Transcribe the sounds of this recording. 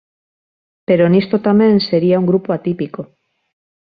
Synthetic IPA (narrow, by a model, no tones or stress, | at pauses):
peɾonist̪ot̪amẽnseɾiauŋɡɾupoat̪ipiko